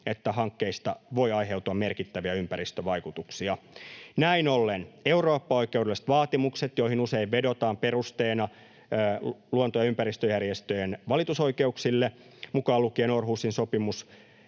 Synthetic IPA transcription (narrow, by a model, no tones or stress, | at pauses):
et̪ːæhɑŋkːeist̪ɑʋo̞iɑjɦe̞ut̪uɑmmerkit̪ːæʋiæympæɾist̪øʋɑikut̪uksiɑnæinolːene̞uroːpːɑo̞ikːˑeuwdelːst̪ʋɑːt̪imukset̪joihinuseiʋʋedo̞t̪ɑːmpe̞rust̪eːnɑ | luont̪ojɑympæɾist̪øjærjest̪øjenʋɑlit̪uso̞ike̞uksilːe | mukɑːlukienorɦuːsinsopimus